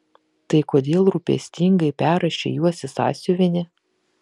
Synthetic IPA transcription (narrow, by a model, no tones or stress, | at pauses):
t̪ɐɪkoːd̪ʲeːlˠɾupʲḛsʲt̪ʲiŋɡɐɪpʲæːɾɐʃʲḛjuɔsʲɪsɑ̰ːsʲʊʋʲɪnʲɪ